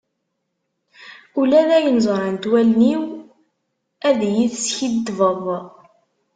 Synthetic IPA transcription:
ulæðæjənzˤɑɾˤant̪wælniw | æðjiθsçid̪vəðˤ

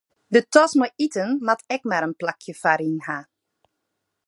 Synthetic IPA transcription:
dətɔsməʔitənmatɛkmaɾənplakʰjəfaɾinha

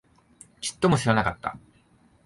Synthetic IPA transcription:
t͡ɕi̥t̪ːo̞mo̞ɕiɾanakat̪ːa̰

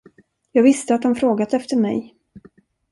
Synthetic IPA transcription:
jɑːɡvɪst̪əat̪̚d̪ɔmfɾoːɡat̪ɛft̪əɾmɛ̰j

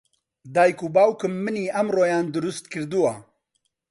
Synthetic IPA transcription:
d̪aːjkubaːwkɨmːɨniːɐmroːjaːnd̪ʊɾust̪kʰɨɾd̪uwa

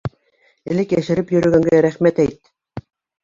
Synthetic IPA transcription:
ɘ̆lɘkjæʃɘ̆ɾɘpjɵ̆ɾɵ̆ɡæŋɡæɾæχmæt̪æjt̪

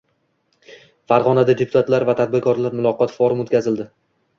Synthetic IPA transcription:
faɾʁɒnad̪ad̪epʰʊt̪ʰat̪laɾvat̪ʰad̪̚bɪɾkʰɒɾlaɾmʊlˠɒqɒt̪fɒɾʊmot̪kʲazɪld̪ɪ

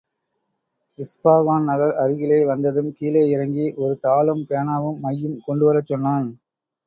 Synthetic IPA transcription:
ʋɪspaːʋaːnnɐɣɐɾɐɾɯɣɪlɐɪʋɐnd̪ɐðɯmkiːleːɪɾɐŋɡiʔɔɾɯt̪aːlɯmpeɳaːʋɯmːɐjːɯmkɔɳɖɯʋɐɾɐt͡ʃːɔnːaːn

